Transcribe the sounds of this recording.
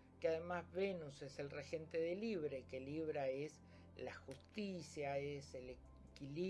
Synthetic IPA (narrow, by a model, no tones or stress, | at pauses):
keaðemazβenusese̞lrexe̞nt̪eðeliβɾe̞keliβ̞ɾaes | laxust̪isjaesele | kili